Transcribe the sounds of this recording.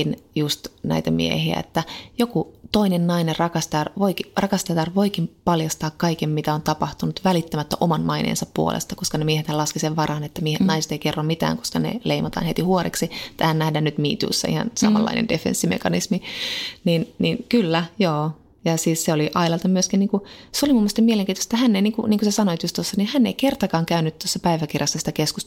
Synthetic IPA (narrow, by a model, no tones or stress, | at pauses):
injust̪næ̰it̪æmḭḛhiæ̰ḛt̪ːæjokut̪oinennɑinerɑkɑst̪ɑrʋoikirɑkɑst̪ɑt̪ɑrʋo̞ikimpɑljɑst̪ɑːkkːɑikemmit̪æont̪ɑpɑht̪unut̪ʋælit̪ːæmæt̪ːæʔomɑnmɑinḛːnsɑppuo̰lʔḛst̪ɑkoskɑnemiehet̪hælɑskiseʋʋɑrɑːnet̪ːæmiehet̪nɑise̥t̪eikerːomit̪æ̰ːŋkoskɑnḛleimɑt̪ɑ̰ːnhet̪ihuoɾḛksiet̪ːæhænnæhdænnyt̪mḭːt̪ṵːsːɑ̰ihɑ̰nsɑ̰mɑ̰lːɑ̰inḛndefḛnsːimḛkɑnismininninkylːæjoː | jɑsiːsseoliʔɑilɑlt̪ɑmyøskiniːŋkuseolimumːest̪ɑmieleŋkiːt̪oset̪ːæhænːeiniːŋkuniːŋkusesɑnoet̪just̪osːɑnihænːḛikert̪ɑkɑːŋkæynyt̪t̪osːɑpæiʋækirjɑsːɑsi̥t̪ækeskus